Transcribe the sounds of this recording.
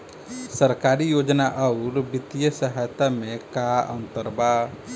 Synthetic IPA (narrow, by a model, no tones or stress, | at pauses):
səɾkaɾijod͡ʒnaʔəuɾbit̪ijəsəɦajt̪amẽkaə̰nt̪əɾba